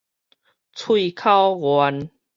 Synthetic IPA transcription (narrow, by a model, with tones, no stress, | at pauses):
t͡sʰwi˥˧˨kʰa˦wɣwa˨˧˦n